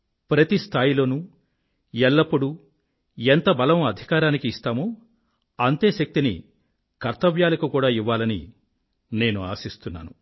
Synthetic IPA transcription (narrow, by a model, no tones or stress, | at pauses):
pɾɐt̪ist̪ʰaːjilo̞ːnuː | ɛlːɐpːuɽu | ent̪ɐbɐlɐmɐd̪ʱikaːɾaːnikiːst̪aːmo | ɐnt̪e̞ːʃɐk̚t̪inḭ | kɐɾt̪ɐʋjaːlɐkukuːɽaːiʋːaːlɐnḭ | ne̞ːnua̰ːsist̪unːa̰ːnu